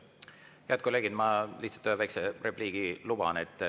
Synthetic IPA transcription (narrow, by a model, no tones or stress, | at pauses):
heæt̪̚ko̞leːɡid̪mɑliht̪sɑ̥t̪øøvɑjkserepliːɡ̥ilub̥ɑ̰net̪ːˑ